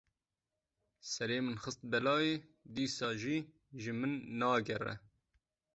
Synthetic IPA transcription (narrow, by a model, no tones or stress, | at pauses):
sɛɾeːmɨnxɨst̪̚bɛlɑːjeːd̪iːsɑːʒiː | ʒɨmɨnːɑːɡɛrɛ̰